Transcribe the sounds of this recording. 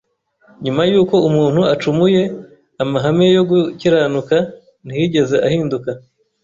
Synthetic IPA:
ɲumajuːko̞umuːn̥huat͡ʃumuje̞ | amaɦamejo̞ɡuciɾaːnuka | n̥ijiɟe̞ze̞ʔahiːnduka

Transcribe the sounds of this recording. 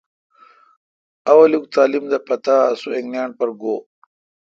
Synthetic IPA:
ɐwɐluk̚t̪aːlimd̪ɐpɐt̪aːsueŋnjɑːɳpɐɾɡoː

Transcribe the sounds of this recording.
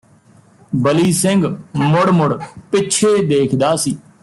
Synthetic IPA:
bəliːsɪŋɡmʊɽmʊɽpɪt͡ʃʰeːd̪eːkʰd̪aːsiː

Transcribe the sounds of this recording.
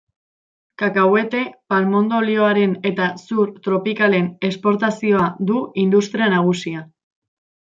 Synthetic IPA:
kakawe̞t̪e̞palmo̞nd̪o̞lio̞aɾe̞ne̞t̪asuɾt̪ɾo̞pikale̞ne̞spo̞ɾt̪asio̞aðuind̪ust̪ɾianaɣ̞usia

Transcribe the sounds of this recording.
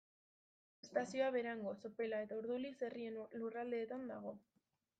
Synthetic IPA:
est̪asio̞aβe̞ɾaŋɡo̞so̞pe̞lae̞t̪auɾðuliserienlurald̪e̞ːt̪and̪aɣ̞o̞

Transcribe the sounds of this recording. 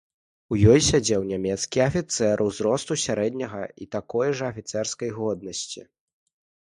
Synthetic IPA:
ujɔjsʲad͡zʲɛwnʲamʲɛt̪skʲiɐfʲit̪sɛɾʔuwzɾɔst̪usʲaɾɛd̪ʲnʲɐɣɐit̪akɔjʐɐːfʲit̪sɛrskɐjɣɔd̪̚nɐsʲt͡sʲḭ

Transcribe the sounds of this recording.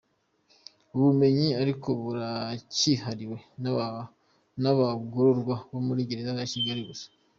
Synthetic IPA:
uβume̞ɲiaɾiko̞βuɾacihaɾiwe̞ | naβaɡuɾuɾɡwaβomuɾiɟe̞ɾezakaciɟaɾiɡusḁ

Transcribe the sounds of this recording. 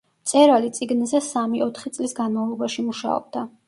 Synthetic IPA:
mt̪sʼɛɾalit̪sʼiɡnizɛsamiʔɔt̪ʰχit̪sʼlisɡanmavlˠɔbaʃimuʃa̰ɔ̰b̥̚d̪a

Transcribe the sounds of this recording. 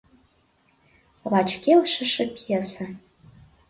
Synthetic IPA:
lɑt͡ɕkelʃə̆ʃĕpiesə̆

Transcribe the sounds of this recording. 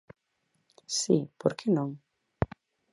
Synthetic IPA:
sḭpoɾkʰenõŋ

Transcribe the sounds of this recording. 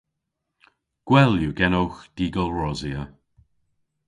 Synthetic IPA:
ɡ̥wɛljuɡɛnowxd̥iːɡəlˠɹɔziə

